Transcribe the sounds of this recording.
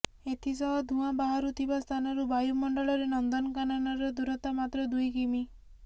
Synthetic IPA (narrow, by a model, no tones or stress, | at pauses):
et̪ʰisɔɦɔd̪ʱũabaɦaɾut̪ʰibast̪ʰanɔɾubajumɔɳɖɔɭɔɾenɔnd̪ɔnɔkanɔnɔɾɔd̪uɾɔt̪amat̪ɾɔd̪ujkimi